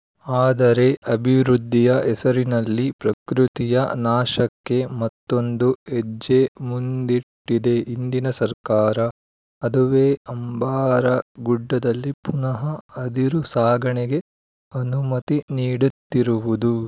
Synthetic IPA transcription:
aːd̪ɐɾe̞ʔɐbʱiʋɾud̪ʱːijɐʔɛsɐɾinɐlːipɾɐkɾut̪ijɐnaːʃɐkːe̞mɐt̪ːo̞nd̪ued͡ʒːemund̪iʈːid̪e̞ind̪inɐsɐɾkaːɾɐː | d̪uʋeːɐmbaːɾɐɡuɖːɐd̪ɐlːipunɐɦɐɐd̪iɾusaːɡɐɳeɡe̞ | ɐnumɐt̪iniːɽut̪ːiɾuʋud̪u

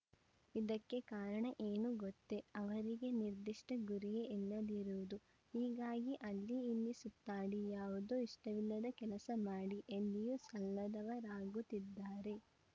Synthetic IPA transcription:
id̪ɐkːe̞kaːɾɐɳɐʔeːnuɡɔt̪ːe̞ɐʋɐɾiɡe̞niɾd̪iʂʈɐɡuɾijeʔɛlːɐd̪iɾuʋud̪u | hiːɡaːɡiʔɐlːiːlːisut̪ːaːɽijaːʋud̪oːiʂʈɐʋilːɐd̪ɐkɛlɐsɐmaːɽiʔend̪ijusɐlːɐd̪ɐʋɐɾaːɡut̪id̪ːaːɾe̞

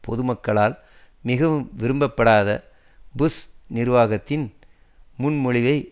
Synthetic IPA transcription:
pʰɔðɯmɐkːɐɭaːl | mɪɣɐʋɯmʋɪɾɯmbɐpːɐɽaːðɐ | bʊsnɪɾʋaːɣɐt̪ːɪn | mʊnmɔɻɪʋɐɪ

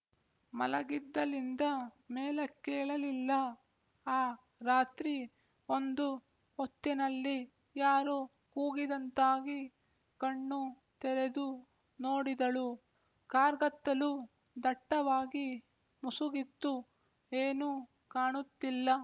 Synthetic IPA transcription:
mɐlɐɡid̪ːɐlind̪ɐmeːlekeːɭɐlilːɐ | aː | ɾaːt̪ɾi | ond̪u | ot̪ːinɐlːi | jaːɾu | kuːɡid̪ɐnt̪aːɡi | kɐɳːu | t̪ɛɾed̪u | noːɽid̪ɐɭu | kaːɾɡɐt̪ːɐlu | d̪ɐʈːɐʋaːɡi | musuɡit̪ːu | eːnu | kaːɳut̪ːilːɐ

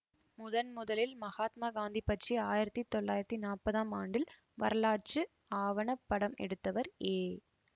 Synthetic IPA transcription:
mʊðɐnmʊðɐlɪlmɐɣaːt̪maːɡaːnd̪ipːɐʈriaːjɪɾɐt̪ːit̪ːɔɭːaːjɪɾɐt̪ːinaːpɐðaːmaːɳɖɪl | ʋɐɾɐɭaːt͡ʃɯ | aːʋɐɳɐpːɐɽɐmɛ̰ɽɯt̪ːɐʋɐɾeː

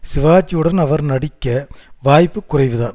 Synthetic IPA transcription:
sɪʋaːt͡ʃːijɯɽɐnɐʋɐɾnɐɽɪkʲːɐʋaːjpːɯkːʊrɐɪʋɯðaːn

